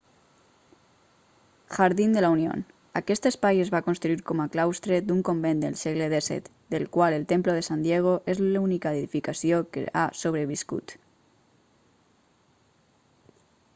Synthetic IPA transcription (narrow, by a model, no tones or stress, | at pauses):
ʃaɾðind̪əlaunio̰n | akɛst̪espajezβakonst̪ɾuiɾkɔmaklawst̪ɾed̪uŋkombend̪ḛlˠsɛɣleðesɛ̰t̪ | d̪elkwalelˠt̪emploð̞esand̪jɛɣ̞oʔezlunikaeðifikasiokḛʔa̰soβ̞ɾəβiskṵt̪